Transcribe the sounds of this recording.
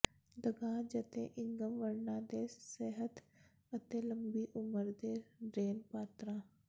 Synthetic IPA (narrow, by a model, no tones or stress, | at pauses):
d̪əɡãːd͡ʒət̪ḛ̃ːʔɪŋɡəmʋəɾnãːd̪eːseɦət̪ | ət̪eːləmbiːʔʊməɾd̪eːɖɾeːnpaːt̪ɾãː